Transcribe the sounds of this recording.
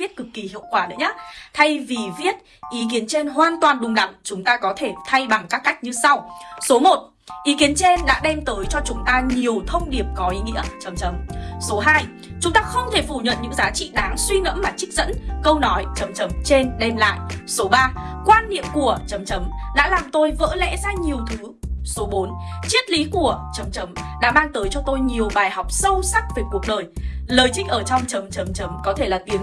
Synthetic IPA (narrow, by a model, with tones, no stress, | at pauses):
ət̚kɨ˨˩kːi˨˩hḭ˧˨əwkwaː˧˩ɗə̰˨˦ɲa˦˥t̪ʰa˧jvi˨˩vi˦˥ət̚ | ʔi˨˦k̬i˨˦ənt͡ɕe˧nɦwaː˨˩nt̪waː˨˩nɗʊ˨˩ŋ͡mla̰˧˨ŋt͡ɕʊ˨˦ŋ͡mt̪aː˧kɔ˨˦t̪ʰe˧˩t̪ʰa˧jɓa˨˩ŋkaː˦˥kːa˦˥jk̚ɲɨ˧sa˧wso˨˦mo˨˩t̚ | ʔi˨˦ki˨˦ənt͡ɕe˧nɗa̰ː˧˥ɗɛ˧mt̪əː˨˦jt͡ɕɔ˧t͡ɕʊ˨˦ŋ͡mt̪aː˧ɲi˨˩əwt̪ʰə˧wŋ͡mɗi˨˩əp̚kɔ˨˦ʔi˨˦ŋḭ˧˥ət͡ɕə˨˦mt͡ɕə˨˦mso˨˦ɦaː˧j | t͡ɕʊ˨˦ŋ͡mt̪aː˧xə˧wŋ͡mt̪ʰe˧˩fu˧˩ɲə̰˧˨nɲɨ̰˧˥ŋzaː˨˦t͡ɕḭ˧˨ɗaː˨˦ŋswi˧nə̰˧˥mːaː˨˩t͡ɕï˦˥k̚zə̰˧˥nkə˧wnɔ˨˦jt͡ɕə˨˦mt͡ɕə˨˦mt͡ɕe˧nɗɛ˧nla̰ː˧˨jso˨˦ɓaː˧kwaː˧nːḭ˧˨əmku˧˩ət͡ɕə˨˦mt͡ɕə˨˦mɗa̰ː˧˥laː˨˩mt̪o˧jvə̰ː˧˥lɛ̰˧˥zaː˧ɲi˨˩əwt̪ʰɨː˨˦so˨˦ɓo˨˦nt͡ɕi˦˥ət̚li˨˦ku˧˩ət͡ɕə˨˦mt͡ɕə˨˦mɗa̰ː˧˥ɓaː˧nt̪əː˨˦jt͡ɕɔ˧t̪o˧jɲi˨˩əwɓaː˨˩jɦɔ˨˩wk͡p̚sə˧wsa˦˥k̚ve˨˩ku˨˩ək̚ɗəː˨˩jləː˨˩jt͡ɕï˧ŋ̟ʔəː˧˩t͡ɕɔ˧wŋ͡mt͡ɕə˨˦mt͡ɕə˨˦mt͡ɕə˨˦mkɔ˨˦t̪ʰe˧˩laː˨˩t̪i˨˦əŋ